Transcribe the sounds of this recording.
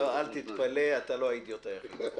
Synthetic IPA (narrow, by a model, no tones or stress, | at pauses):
oalt̪it̪paleat̪aloait̪jot̪eʁ